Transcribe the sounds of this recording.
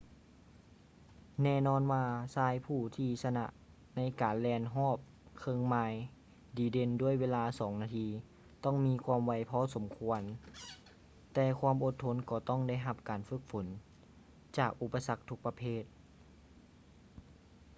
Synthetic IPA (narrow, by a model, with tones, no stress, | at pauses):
nɛː˧˩˨nɔː˧˥nwaː˧saː˧˥jpʰuː˧˩t̪ʰiː˧˩sa˧na̰˧ʔ | na˧˥jkaː˨nlɛː˧nɦɔː˥˩p̚ | kʰɤː˧˨ŋmaː˧j | diː˨˦de˧ndu˥˩əjweː˧laː˧sɔː˨˩˦ŋnaː˧t̪ʰiː˧ | t̪ɔ˥˩ŋmiː˧˥kʰwaː˧mʋa˧˩jpʰɔː˧˥so˩˦mkʰu˧ən | t̪ɛː˧˩kʰwaː˧˨mʔo˧t̪ʰːo˧˥nkɔː˧˩t̪ɔ˥˨ŋda˧˥˨jɦa˧p̚kaː˨nfɯ˧˥k̚fo˩˦n | t͡ɕaː˨˩k̚ʔu˧˩pːa˧sa˧˥k̚t̪ʰu˧k̚pa˧pʰeː˧˥˩t̪̚